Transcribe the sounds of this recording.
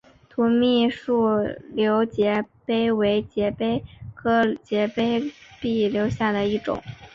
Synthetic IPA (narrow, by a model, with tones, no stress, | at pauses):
t̪ʰu˧˥mi˥˧ʂu˥˩ljo˧˥ʊt͡ɕjɛ˧˥pe˥ɪwe˧˥ɪt͡ɕjɛ˧˥pe˥ɪkʰɤ˥t͡ɕjɛ˧˥pe˥ɪpi˥˩ljo˧˥ʊɕja˥˩d̪ə˩i˥˩ʈ͡ʂʊ̰˨˩˦ŋ